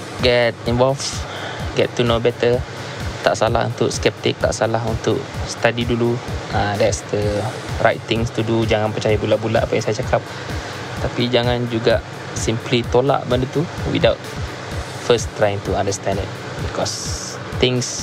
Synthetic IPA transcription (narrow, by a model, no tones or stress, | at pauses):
ɡɛt̚ĩnvɔlf | ɡɛ̰tːunobɛt̪ə | t̪a̰ʔsala̰hṵnt̪ʊkskɛp̚t̪ɪk̚t̪a̰ʔsalaɦunt̪ʊʔst̪adiduluʔadɛtsdəra̰jt̪ːɪ̃ŋst̪udud͡ʒaŋanpət͡ʃajabulaʔbulaʔapajaŋsajat͡ʃakap̚ | t̪apid͡ʒaŋand͡ʒuɡaʔ | simplit̪ola̰ʔbəndət̪uwḭdawt̚ | fəst̪ːɾajɪ̃ŋt̪uãndəst̪ɛ̃ndɪ̰t̚ | bikɔs | t̪ɪ̃ŋs